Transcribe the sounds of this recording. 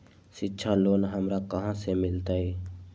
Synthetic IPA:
ʃɪtːʃʰaloːnɦɐmɾakɐɦãsemɪlt̪aɦɛː

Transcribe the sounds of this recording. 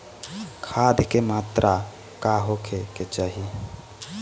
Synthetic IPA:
kʰaːd̪ʱkemaːt̪ɾʔa | kaɦokʰeket͡ʃaːɦi

